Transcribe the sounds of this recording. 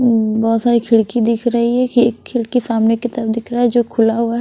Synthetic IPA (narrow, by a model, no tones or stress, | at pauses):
bɔɦːt̪saːɾikʰɪɭkid̪ɪkʰɾɐɦiɦɛkiekʰːɪlkisaːmneket̪əɾəfd̪ɪkʰɾaaːɦɛd͡ʒoːkʰʊlaɦuaɦɛ